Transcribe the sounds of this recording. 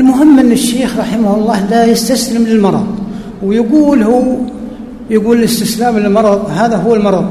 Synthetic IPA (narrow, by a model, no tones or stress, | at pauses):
ʔɪlmʊɦɪmːʔɪnːɪʃːeːxɾˤɑħɪmhlˤːɑːlajɪst̪aslɪmlɪlmɑɾˤɑ̰ðˤ | wjɪɡuːlhu | jɪɡuːlɪlɪst̪ɪslaːmlɪlmɑɾˤɑðˤhaːðaɦʊwːalmɑɾˤɑðˤ